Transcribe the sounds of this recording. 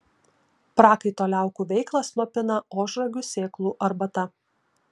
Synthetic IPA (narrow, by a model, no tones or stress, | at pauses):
pɾɑːkɐɪt̪oːlʲæˑʊkuːʋʲɛɪklˠɑslˠoːpʲɪnɐoːʒɾɐɡʲusʲeːklˠuːʔɐɾbɐt̪ɐ